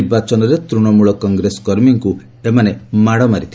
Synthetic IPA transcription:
ɾbat͡ʃɔnɔɾet̪ɾuɽ̃ɔmuɭɔkɔŋɡɾesɔ̥kɔɾmiŋku | emanemaɽɔmaɾit̪ʰi

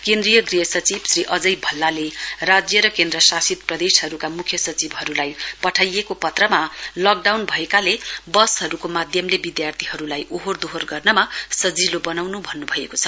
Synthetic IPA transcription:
kẽnd̪rijʌɡrijʌsʌt͡sibsriʔʌd͡zʌjbʱʌlːalerad͡zjʌɾʌkẽnd̪rʌsasit̪̚prʌd̪esɦʌɾukamukʰjʌsʌt͡sibɦʌɾulajpʌʈʰajekopʌt̪rʌmalʌk̚ɖawnbʱʌekalebʌshʌɾukomad̪ʱjʌmlebid̪jart̪ʰiɦʌɾulajʔoɦord̪oɦorɡʌrnʌmasʌd͡zilobʌnawnubʱʌnːubʱʌekot͡sʰʌ̥

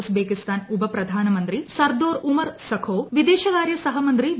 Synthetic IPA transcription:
sbeːkist̪aːnubɐpɾɐd̪ʱaːnɐmɐnt̪ɾisɐɾd̪oːɾumɐɾsɐkʰoːʋid̪eːʃɐkaːɾjɐsɐɦɐmɐnt̪ɾi

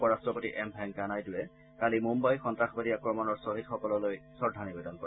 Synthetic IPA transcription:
pɔɹastɹɔpotḭʔɛmbʱɛŋkanajdʊjɛ | kalimumbajxɔntɹaxbadiakɹɔmɔnɔɹsoɦitxɔkɔlɔlojsɔɹdʱanibidɔnkɔɹ

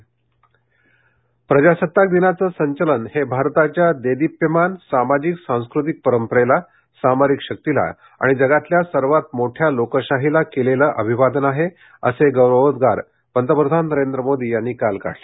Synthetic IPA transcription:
pɾəd͡ʑasət̪ːak̚d̪inat͡səːsəɲt͡ɕələnhebʱaɾt̪at͡ɕjad̪ed̪ipjimansamad͡ʑiksãw̃skɾut̪̬ik̚pəɾəmpəɾela | samaɾikɕək̚t̪ila̰ | a̰ɽ̃id͡zəɡat̪ljasəɾʋat̪̚moʈʰjalokəɕaɦilakelelaʔəbʱiʋad̪ənaɦe | ə̰seɡəwɾəd̪ɡaɾ | pənt̪əpɾəd̪ʱanːəɾend̪ɾəmod̪ʱiːjanːiːkalka̰ʈʰle

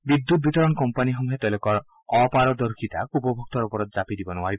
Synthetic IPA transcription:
bid̪ːut̪̚bit̪ɔɾɔnɔkɔmpaniɦɔmuɦet̪ɔlokɔɾ | ɔpaɾɔd̪ɔɾkʰit̪akupɔbʱuk̚t̪ɔɾɔpɔɾɔd͡ʒapid̪ibɔnɔwaɾi

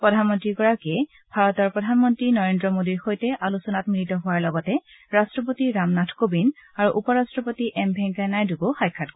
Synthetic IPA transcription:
pɹɔdʱanmɔntɹikɔɹakɛ | bʱaɹɔtɔɹpɹɔdʱanmɔntɹinɔɹendɹɔmodiɹxojtɛʔalusɔnatmilitɔɦʊwaɹlɔɡɔtɛ | ɹastɹɔp̬otiɹamnatʰkobinaɹuʔupɔɹastɹɔpotiʔɛmbʱɛŋkajnajduɡoxajkʰːat̚ɡ

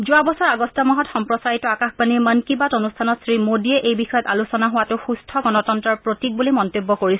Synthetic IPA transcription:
zuabɔsɔɹaɡɔstamɔɦɔtxɔmpɹɔsaɹitɔakaxbanimənkibatonustʰanɔtsɹimodiɛʔejbixɔjɔtalusɔnaɦʊwatʊxustʰɔɡɔnɔtɔntɹɔɹpɹotik̚bulimɔntebːɔkoɹisɛ

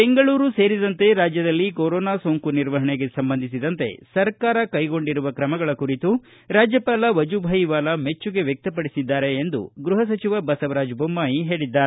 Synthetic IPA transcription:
beŋɡɐɭuːɾuse̞ːɾid̪ɐnt̪e̞ɾaːd͡ʒjɐd̪ɐlːikoɾɔːnaːsoːŋkuniɾʋɐɦɐɳeɡe̞sɐmbɐnd̪ʱisid̪ɐnt̪e̞̰sɐɾkaːɾɐkɐjɡo̞ɳɖiɾuʋɐkɾɐmɐɡɐɭɐkuɾit̪u | ɾaːd͡ʒjɐpaːlɐʋɐd͡ʒubʱɐjiʋaːlɐme̞t͡ʃːuɡe̞ʋjek̚t̪ɐpɐɽisid̪ːaːɾe̞ːnd̪ṵɡɾuɦɐs̬ɐt͡ʃiʋɐbɐsɐʋɐɾaːd͡ʒbʱomːaːjiɦe̞ːɭid̪ːaːɾe

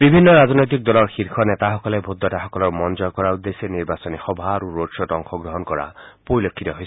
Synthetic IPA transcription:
bibʱinːɔɾaznojt̪̬ik̚dɔlɔɹxiɾkʰɔnet̪axɔkɔlebʱud̪ːɔtaxɔkɔlɔɹmɔnd͡ʒɔjkɔɹaud̪ːeseniɹbasɔnixɔbʱaɾuɹodsɔtɔŋxʰɔɡɹɔɦɔnkɔɹa̰poɹilokʰːit̪ɔɦojs

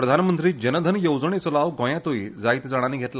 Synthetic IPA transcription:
ɾəd̪ʱanmənt̪ɾiːd͡ʑənəd̪ʱənjəwd͡zəɳ̃et͡sɔlaʋɡʱɔ̃jãt̪oiːd͡zait̪d͡zaɽ̃aniːɡʱet̪la

